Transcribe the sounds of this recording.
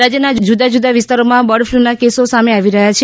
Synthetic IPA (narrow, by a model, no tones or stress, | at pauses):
ɾad͡ʒjənad͡ʒud̪ad͡ʒud̪aʋist̪aɾomãbəɽflunakesosameaʋiɾəɦat͡ʃʰe